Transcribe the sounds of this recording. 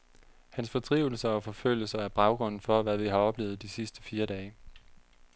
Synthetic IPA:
hænsfɒ̽t͡sʰʁiʊl̩sɐɒfɒ̽føl̰jəsɐæɐb̥ʁɑ̈ʊɡ̥ʁɔ̽n̰n̩fɒ̽ʋæʋiɦɑ̈ɒ̽b̥le̝̰ːð̩ˠd̥isisd̥ə̥fiːɐdɛː

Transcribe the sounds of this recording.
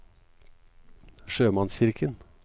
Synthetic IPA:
ʃøːmɑnsçɪɾkʰən

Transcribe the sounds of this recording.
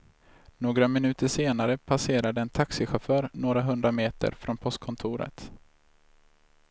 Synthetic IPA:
noːɡɾamɪnʉ̟ːt̪əʂeːnaɾəpʰaseːɾad̪əɛnt̪ʰaksɪɧafœːɾnoːɾaɦɵnd̪ɾameːt̪ə̰ɾfɾɔnpʰɔst̪̚kʰɔnt̪ʰuːɾə̰t̪

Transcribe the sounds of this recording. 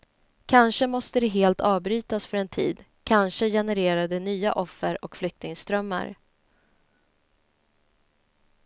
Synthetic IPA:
kʰanʂəmɔst̪əd̪ɛɦeːlt̪ʰɑːvbɾyːt̪asfœɾɛnt̪ʰḭːd̪ | kʰanʂəjɛnɛɾeːɾad̪ɛnyːa̰ʔɔfːəɾɔkflʏk̚t̪ɪŋst̪ɾœmːa̰ɾ

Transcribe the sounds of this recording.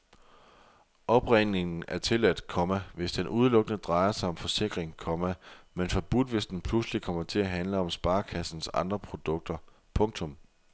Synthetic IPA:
ʔɒ̽b̥ʁene̝ŋn̩æɐt͡sʰe̝læd̥kʰɒ̽mæʋe̝sd̥enʔuð̞ˠlɔ̽ɡ̥nəd̥ʁɑ̈ɪɐsɑ̈ɪɒ̽mfɒ̽se̝ɡ̥ʁeŋkʰɒmæmenfɒb̥ud̥ʋe̝sd̥enpʰluslikʰɒ̽m̰ɐt͡sʰe̝æɦænləɒ̽msb̥ɑ̈ːkʰæsn̩sɑ̈nd̥ʁɐpʰʁo̝d̥ɔ̽ɡ̥̚d̥ɐ | pʰɔ̽ŋt͡sʰɔ̽m

